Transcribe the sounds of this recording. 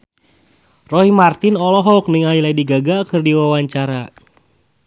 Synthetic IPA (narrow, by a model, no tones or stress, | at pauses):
rɔɦimart̪inɔlɔɦɔuk̚niŋailaidiɡaɡakɨrdiwawaɲt͡ʃaɾa